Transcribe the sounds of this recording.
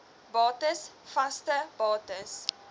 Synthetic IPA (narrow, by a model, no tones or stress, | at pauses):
bɑːtəsfɐstəbɑːtəs